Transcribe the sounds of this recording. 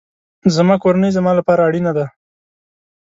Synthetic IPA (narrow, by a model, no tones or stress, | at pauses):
zamɑkoɾanəjzamɑlapɑɾaːɽinad̪a